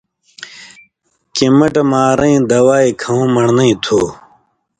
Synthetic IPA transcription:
kimɐʈmaːɾɐ̃ĩd̪ɐwaːikʰɐũːmɐɳnɐĩt̪ʰoː

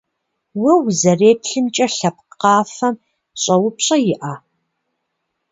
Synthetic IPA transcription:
wɐwzɐreːpɬɨmt͡ʃʼɐɬɐp̚qɑːfɐm | ɕʼɐwʊpɕʼɐjɪʔaː

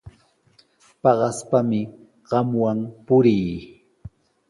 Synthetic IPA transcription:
pɑɢɑspamɪ | ɢ̥ɑmwampʊɾiː

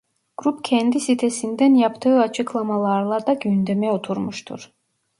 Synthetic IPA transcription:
ɡ̥ɾupcʲʰɛnd̪isit̪ʰesind̪ɛnjɑpt̪ʰɯːɑt͡ʃʰɯklˠɑmɑlˠɑɾlˠɑɾd̪ɑɡynd̪emɛot̪ʰuɾmuʃt̪ʰṵɾ

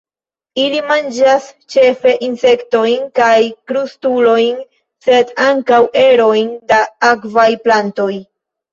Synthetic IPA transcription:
ilimand͡ʒast͡ʃe̞fe̞ʔinse̞kto̞jnkajkɾustulo̞jn | se̞daŋkawe̞ɾo̞jndaakvajplanto̞j

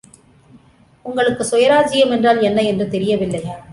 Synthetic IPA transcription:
ʊŋɡɐɭɯkːɯsɔjɐɾaːd͡ʒɪjɐmɛndraːlɛnːɐɛndrɯt̪ɛɾɪjɐʋɪlːɐɪa

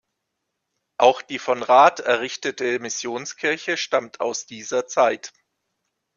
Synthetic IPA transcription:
ʔaʊxd̥iːfɔnʁaːtɛɐʁɪçtətəmɪsjoːnskʰɪɐçəʃtamtʰa̰ʊsd̥iːzɐt͡saɪt

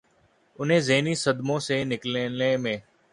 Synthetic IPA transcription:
ʊn̤ɦẽːzeːniːsəd̪mõːseːnɪklnẽːmẽː

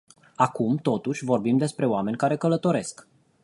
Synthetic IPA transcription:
akumt̪o̞t̪uʃʲvo̞rbimd̪e̞spɾe̞oame̞nʲkaɾe̞kələt̪o̞ɾe̞sk

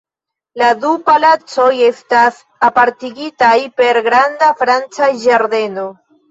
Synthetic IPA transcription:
ladupalat͡so̞je̞stas | apaɾtiɡitajpe̞ɾɡɾandafɾant͡sad͡ʒaɾde̞no̞

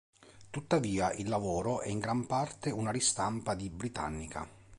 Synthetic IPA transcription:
t̪ut̪ːaviːaʔilːavɔːɾoʔɛiŋɡɾampart̪eunaɾist̪ampad̪ibɾit̪a̰nːikʰa̰

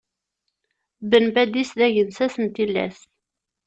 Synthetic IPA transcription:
bənbæd̪isðæʝənsæsənt̪ilːæ̰s

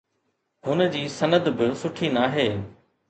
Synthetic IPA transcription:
ɦhʊnə̆d͡ʑiːsɐnəd̪bɪsʊʈʰinaːɦeː

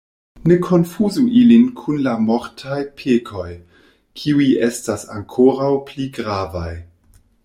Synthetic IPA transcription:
ne̞kʰo̞nfuzuʔilinkʰunlamoɾtʰajpʰekʰo̞j | kʰiujestasa̰ŋkʰoɾawpliɡɾavaj

